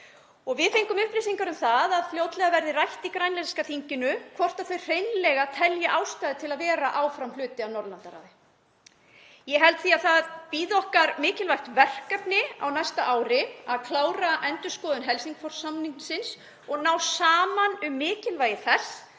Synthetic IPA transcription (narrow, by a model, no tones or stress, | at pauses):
ɔɣvɪðθejŋkʏmʏhpɾɪsiŋkaɾʏmθaðaðfljowt̪lɛɣavɛɾðɪrajht̪ikɾajnlɛskaθiɲcɪnʏkʰvɔr̥t̪aθœj̥r̥eːjnlɛɣat̪ʰɛljaʔawst̪ajðɪt̪ʰɪlaðvɛːɾaʔaːwfɾamlʏːt̪ɪawnɔɾðlant̪aɾa̰ðɪ | jɛɦɛlt̪θiːaðθaðpiːðɔhkaɾmɪːcɪlvajxt̪vɛr̥kapnɪa̰wnajst̪aʔaːwɾɪaðkʰlaːwɾaʔɛnt̪ʏ̥skɔːðʏnɦɛlsiŋkfɔɾ̥samninsɪns | ɔɣnaːwsaːmanʏmːɪːcɪlvaːjɪθɛs